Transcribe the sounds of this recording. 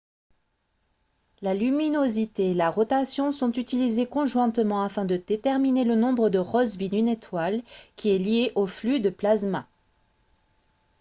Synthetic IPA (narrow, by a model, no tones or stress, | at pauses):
lalyminozit̪eːlaʁɔt̪asjɔ̃sɔ̃t̪yt̪ilizekɔ̃ʒwɛ̃t̪mɑ̃afɛ̃d̪əd̪̥et̪ɛʁminelənɔ̃bʁəd̪əʁɔzbinynet̪walkʲʰiɛlijeʔoflyd̪əplazma